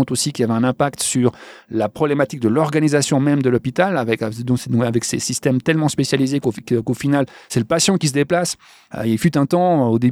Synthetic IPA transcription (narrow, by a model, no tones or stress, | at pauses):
t̪osikʲiavɛɛ̃nɛ̃pakt̪syʁlapχɔblɛmat̪ik̚d̪əlɔʁɡanizasjɔ̃mɛmd̪əlɔpit̪alavɛkd̪ɔ̃sɛ̃avɛksḛsist̪ɛmt̪ɛlmɑ̃spesjalizekokkofinalsɛləpasjɑ̃kʲis̬əd̪eplas | ilfyt̪ɛ̃t̪ɑ̃od̪e